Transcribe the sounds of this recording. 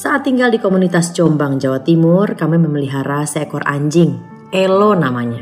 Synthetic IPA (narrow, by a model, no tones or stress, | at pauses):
saːt̪ːiŋɡaldikomunit̪ast͡ʃombaŋd͡ʒawat̪imʊrkameməməliɦaɾasɛkɔrʔa̰ɲd͡ʒɪŋ | elɔnamaɲa